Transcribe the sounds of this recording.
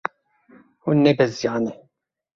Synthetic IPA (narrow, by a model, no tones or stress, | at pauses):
hunːebɛzjaːnɛ